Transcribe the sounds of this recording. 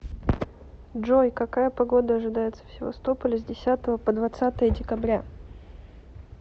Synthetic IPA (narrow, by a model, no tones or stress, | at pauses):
ʐojkɐkajəpɐɡo̞d̪əɐʐɨd̪ajɪt̪sə̥fsʲɪvɐ̰st̪o̞pəlʲəzʲdʲɪsʲat̪əvəpəd̪vɐt̪sat̪əjədʲɪkɐbɾʲa